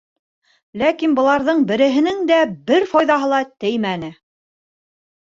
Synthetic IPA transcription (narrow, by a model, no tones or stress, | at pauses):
lækinbɤ̆lˠɑɾðɤɴbɘ̆ɾɘ̆ɦɘ̆nɘŋd̪æbɘɾfɑjðɑɦɤlˠɑt̪ɘjmænɘ